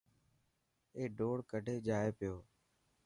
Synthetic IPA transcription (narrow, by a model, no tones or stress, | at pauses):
eːɖoːɽkəɖʱeːd͡ʒaːeːpɪjoː